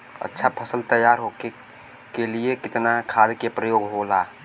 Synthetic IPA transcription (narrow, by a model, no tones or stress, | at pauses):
ə̰tːʃʰapʰəsəlt̪əjaːɾɦoke | keliekɪt̪nakʰaːlkepɾəjoːɡɦolaː